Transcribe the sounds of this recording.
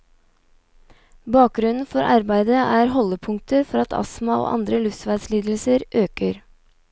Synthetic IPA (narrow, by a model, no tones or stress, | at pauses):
bɑːk̚ɡɾʉnn̩fɔɾʔɑɾbæɪd̪əʔæːɾɦɔlːəpʰʊŋ̚t̪ʰəfɔɾɑt̪ʰɑ̰smɑo̰ːʔɑ̰nd̪ɾəlʉfsʋæɪsliːd̪l̩səɾʔøːkəɾ